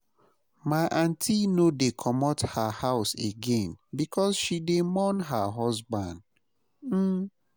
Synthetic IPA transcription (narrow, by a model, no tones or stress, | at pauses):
maʔãntʰinodekʰɔmɔthahaʊseɡẽnbikʰɔsʃidemɔnɦaɦɔzbã̰nd | m̩